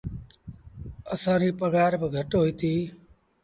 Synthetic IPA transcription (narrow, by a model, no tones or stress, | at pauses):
əsãːɾiːpəɡaːɾbɡʱəʈoɦit̪ʰiː